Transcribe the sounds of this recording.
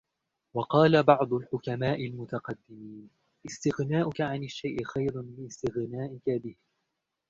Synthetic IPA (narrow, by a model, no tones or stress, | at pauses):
wɑqɑːlabɑʕd̪ˤʊlħʊkamaːʔɪlmʊt̪ɑqɑd̪ːɪmiːn | ʔɪst̪ɪɣnaːʔʊkaʕanaʃːajʔɪxajɾʊlɪɪst̪ɪɣnaːʔɪkabɪh